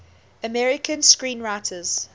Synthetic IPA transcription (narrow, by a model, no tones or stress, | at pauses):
əmɛɹɪkʰə̃nskɹĩːnɹaɪtʰəz̥